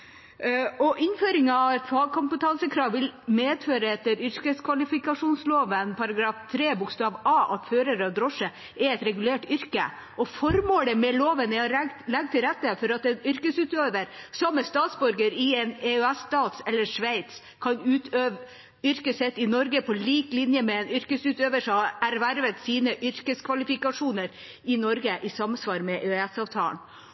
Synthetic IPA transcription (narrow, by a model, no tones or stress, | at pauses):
ɔʔɪnføːɾɪŋɑːʋɛt̪fɑɡ̚kʰʊmpət̪ʰɑnsəkʰɾɑːʋʋɪlmeːd̪føːɾəɛt̪ːəɾʏɾkəskʰʋɑlɪfɪkɑʂuːnsloːʋənpʰɑɾɑɡɾɑːft̪ʰɾeːbʊkst̪ɑːʋɑːʔɑt̪føːɾəɾɔd̪ɾɔʂə | ɛɾɛt̪ɾɛɡʉleːʈʏɾkə̰ | ʔɔfɔɾmoːləmɛloːʋənɛɔɾlɛɡ̚t̪ʰɪɾɛt̪ːəfɔɾɑt̪ɛnʏɾkəsʉːt̪øːʋəɾsɑmːəst̪ɑːt̪sbɔɾɡəɾɪɛneœɛsːt̪ɑːt̪sɛlːəʂʋæɪt̪s | kʰɑnʉːt̪ø | ʏɾkəsɛt̪ːɪnɔɾɡəpʰɔliːklɪnjəmɛɛnʏɾkəsʉːt̪øːʋəʂɔɑæɾʋæɾʋət̪siːnəʔʏɾkəskʰʋɑlɪfɪkɑʂuːnəɾ | ɪnɔɾɡəʔɪsɑmsʋɑːɾmɛʔøɛsɑːʋt̪ʰɑ̰ːn